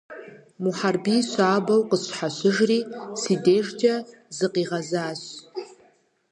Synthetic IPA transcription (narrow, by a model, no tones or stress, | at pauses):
muħarbiɕʷaːbawqʼəsʷħaɕʷɨʐrisideʐtʰʼa | zɨqʼiʁazaːɕ